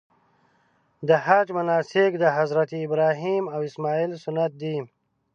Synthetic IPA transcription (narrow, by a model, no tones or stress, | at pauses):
d̪əhad͡ʒmanɑːsɪk̚d̪əɦazɾat̪iːbɾɑːɦimawɪsmɑːilsʊnat̪̚d̪i